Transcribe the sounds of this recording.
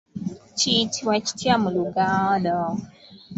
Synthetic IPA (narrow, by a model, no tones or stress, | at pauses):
t͡ʃitʰiwat͡ʃi̥tiamuluɡaːnɔ